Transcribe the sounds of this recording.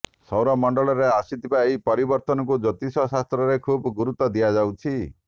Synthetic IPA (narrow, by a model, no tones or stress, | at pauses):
sɔwɾɔmɔɳɖɔɭɔɾeasit̪ʰibaeɦipɔɾibɔɾt̪ɔnɔk̬ud͡ʒɔt̪isɔsast̪ɾɔɾekʰubɔɡuɾut̪ɔd̪ijad͡ʒawt͡ʃʰi